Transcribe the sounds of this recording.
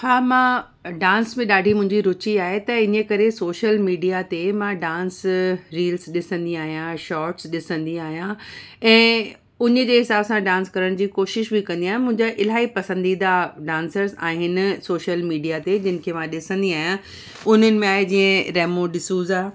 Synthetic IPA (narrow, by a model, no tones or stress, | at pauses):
haːmã | ɖãːnsmẽɗaːɖʱimʊ̃ɦɪ̃ɲd͡ʑiɾʊt͡ɕiaːɦet̪ɐɪnekɐɾesoːʃəlmiːɖijat̪emãɖãːnsɾiːlsɗɪsə̃nd̪iaːɦijãʃɔːʈsɗɪsə̃nd̪iaːɦijã | ɛ̃ː | ʊɲə̆d͡ʑeːɦɪsaːbsãɖãːnskɐɾəɽ̃d͡ʑiːkoːʃɪʃbɪkɐ̃nd̪iaːɦɪ̃mʊ̃ɦɪ̃ɲd͡ʑaʔɪl̤aːipɐsə̃nd̪id̪aɖãːnsəɾza̰ːɦɪnsoːʃəlmiːɖijat̪ed͡ʑɪnɪ̆kʰemãɗɪsə̃nd̪iaːɦijã | ʊn̤ənɪ̆mẽaːɦed͡ʑĩːə̃ɾɛːmõɗɪsuːzaː